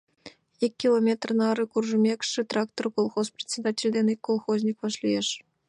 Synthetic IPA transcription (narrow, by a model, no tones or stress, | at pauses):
ikʲːilˠomʲet̪rnɑɾɨkurʐɨmʲekʲʂɨt̪rɑk̚t̪orkolˠχosprʲetʲsʲed̪atʲelʲd̪ʲenikʲkːolˠχozʲnʲikʋɑʂlʲijeʂ